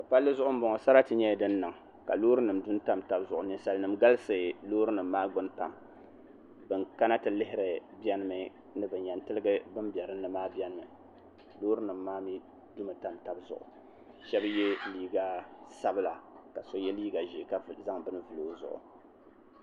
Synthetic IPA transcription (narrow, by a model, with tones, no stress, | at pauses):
ka˨pa˦lːɨ˦zʊ˦ʔʊ˦m˦bo˨ŋɔ˨sa˦ɾa˦tɨ˨ɲɛ˦dɨ˦nːɨ˨ŋ˨ | ka̰˨loː˦ɾɨ˦nɨ˨mdʊ˦n˦ta˦mta˦bzʊ˨ʔʊ̰˨ni˨sa˨lnɨ˨mɡa˦lɨ˦sɨ˨loː˦ɾɨ˦nɨ˨m̩ːaː˦ɡʊ˨˦npa̰˨m | bɨ˨ŋka˦na˦tɨ˨lɪ˦hɪ˦ɾɨ˨bjɛ˦nɨ˦mɨ˨ | nɨ˦bɨ˨ɲɛ˨ntɨ˦lɨ˦ɡɨ˦bɨ˦mbɛ˨ɾɨ˦nːɨ˦maː˦bjɛ˦nɨ˦mɨ˨ | loː˦ɾɨ˦nɨ˨mːaː˦mi˦ | dʊ˦mɨ˨ta˦mta˦bzʊ̰˨ʔʊ̰˨ | ʃɛ˦bjɛ˦liː˦ɡa˦sa˦bɨ˦la˨ka˨so˦jɛ˦liː˦ɡa˨ʒi˨ka˦˨za˦ŋbɨ˦nɨ˦vɨ˨loː˦zʊ̰˨ʔʊ̰˨